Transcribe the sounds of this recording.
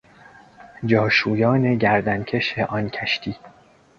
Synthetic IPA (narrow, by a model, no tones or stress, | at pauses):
d͡ʒɒːʃuːjɒːne̞ɟæɾd̪æncʰe̞ʃeʔɒncʰæʃt̪ʰiː